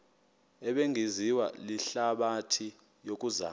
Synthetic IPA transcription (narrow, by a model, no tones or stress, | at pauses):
ɛɓeŋʱiziwa̰liɬaɓatʰi | jok̬ʼuza̰ː